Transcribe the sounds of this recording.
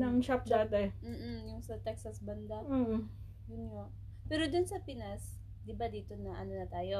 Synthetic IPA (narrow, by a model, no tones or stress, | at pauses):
nɐŋt͡ʃap̚d̪aːt̪ɛm̩ːʔ̩jʊŋsɐt̪ɛksɐsbɐnd̪a | jʊnɲo | pɛːɾod̪ʊnsɐpɪnas | d̪ɪbad̪iːt̪o̞nɐʔɐnonɐt̪aːjo̞